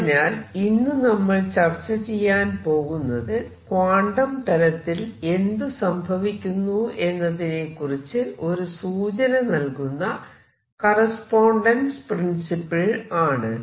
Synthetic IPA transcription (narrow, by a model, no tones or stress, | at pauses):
naːlinːɨnɐmːɐɭt͡ɕɐrt͡ɕːɐt͡ɕejːaːnpo̞ːɣunːɐðɨ | kwaːɳɖɐmt̪ɐlɐt̪ːile̞nd̪usɐmbʱɐʋikʲːunːue̞nːɐðine̞kːurit͡ɕːɨʔo̞ɾusuːt͡ɕɐnɐnɐlkunːɐ | kɐrɐspoːɳɖɐnsprinsipːɐɭaːɳɨ